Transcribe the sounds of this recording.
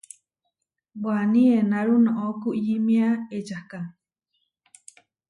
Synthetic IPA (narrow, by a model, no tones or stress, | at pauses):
banienaɾunõʔokuʔjimĩaed͡ʒahka